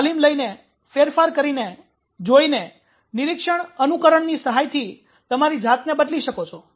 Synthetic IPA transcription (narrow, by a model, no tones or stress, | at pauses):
t̪alimləjne | feɾfaɾkəɾine | d͡ʒoine | nɪɾɪkʃəɳənukəɾəɳnisəɦajt̪ʰi | t̪əmaɾid͡ʒʱat̪nebəd̪liʃəkot͡ʃʰɔ